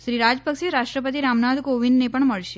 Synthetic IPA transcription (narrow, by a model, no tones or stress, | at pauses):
ʃɾiɾad͡ʒpəkʃeɾaʃʈɾəpət̪̬iɾamnad̪koʋinnepəɳməɭʃe